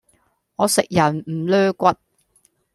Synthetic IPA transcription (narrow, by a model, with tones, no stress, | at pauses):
ŋɔː˨˧sɪ˨k̚jɐ˨˩nm̩˨˩lœː˥kʷɐ˥t̚